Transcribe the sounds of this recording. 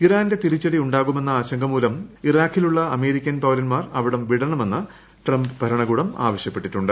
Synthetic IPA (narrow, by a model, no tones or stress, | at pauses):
iraːnde̞t̪iɾit͡ɕːɐɽiuɳɖaːɣume̞nːɐaːɕɐŋɡʱɐmuːlɐmiraːkʰːiluɭːɐɐme̞ːɾikʲːɐnpɐwlɐnmaːrɐʋiɽɐmʋiɽɐɳɐme̞nːɐ | ʈrɐmbɨbʱɐɾɐɳɐɣuːɽɐma̰ːʋɐɕjɐpːe̞ʈːiʈːuɳɖɨ